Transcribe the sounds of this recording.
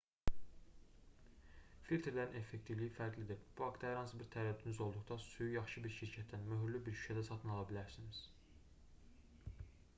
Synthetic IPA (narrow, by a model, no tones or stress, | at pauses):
filʲt̪ʰeɾlæɾine̞fːe̞kt̪ʰivlijifæɾɡlid̪iɾb̥uhɑkt̪ɑhæɾhɑnsɯbiɾt̪ʰæɾæd̪ːynyzo̞lˠd̪uχd̪ɑsujujɑχʃɯbiɾʃiɾcʰæt̪ʰːænmøɦyɾlybiɾʃy̥ʃʰæd̪æsɑt̪ʰɯnɑlˠɑbilæɾsiniz̥